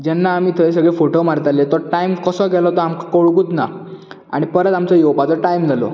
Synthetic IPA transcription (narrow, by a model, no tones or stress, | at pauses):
d͡ʑɛnːaːmiːt̪ʰəes̬əɡɭefoʈomaɾt̪alet̪ɔɾʈaimkəsɔɡʱɛlɔt̪ɔamkakoɭkuːt̪na | a̰ɽ̃ipəɾət̪amt͡sɔjɔwpat͡sɔʈaimd͡zalɔ̰